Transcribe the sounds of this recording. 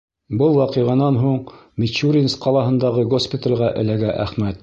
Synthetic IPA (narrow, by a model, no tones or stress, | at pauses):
bɤlˠwɑqɤ̆ʁɑnɑnɦuɴmʲɪt͡ʃuɾʲinsqɑlˠɑɦɤ̆nd̪ɑʁɤɡospʲɪt̪ə̆lʲʁɑʔɘ̆læɡæʔæχmæt̪